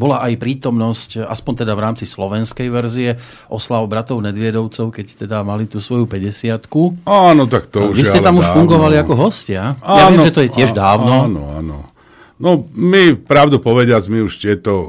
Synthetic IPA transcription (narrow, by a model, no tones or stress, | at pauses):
bɔlaʔajpɾiːt̪ɔmnɔscaspɔnt̪ɛd̪avɾaːmt͡sislɔʋɛnskɛjʋɛɾziɛ | ʔɔslaʊbɾat̪ɔʊnɛd̪ʋɪɛd̪ɔʊt͡sɔʊkɛct̪ɛd̪amalit̪uːsʋɔjupɛɟɛsɪat̪kuaːnɔt̪akt̪ɔuʒʋisɛt̪amuʃfuŋɡɔʋaliakɔɦɔscɪaajaɛmʒɛt̪ɔjɛɪɛʒd̪aːʊnɔnɔ̰a̰nɔ̰ | nɔmipɾaʊd̪upɔʋɛɟɪad͡zmiuʃt̪ɪɛt̪ɔ